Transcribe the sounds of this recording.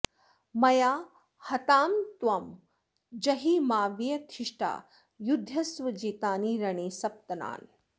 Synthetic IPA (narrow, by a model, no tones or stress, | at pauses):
mɐjaː | hɐt̪aːmt̪wɐm | d͡ʒɐɦiːmaːʋjjɐt̪ʰiʂʈa̰ː | jud̪ʱjɐsʋɐd͡ʒiːt̪aːniːɾɐɳiːsɐp̚t̪ɐna̰ːn